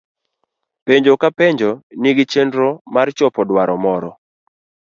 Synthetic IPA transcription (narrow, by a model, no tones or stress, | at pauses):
peɲd͡ʒokapeɲd͡ʒɔniɡɪt͡ʃendɾomart͡ʃɔpɔdwaɾɔmɔɾɔ